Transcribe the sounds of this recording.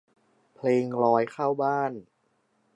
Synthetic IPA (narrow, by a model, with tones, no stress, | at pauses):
pʰleː˧ŋɾɔː˧jkʰaː˥˩wbaː˥˩n